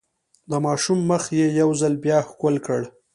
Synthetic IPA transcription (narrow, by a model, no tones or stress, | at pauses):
d̪əmɑʃumːəxjejawzalbjɑxkolkəɽ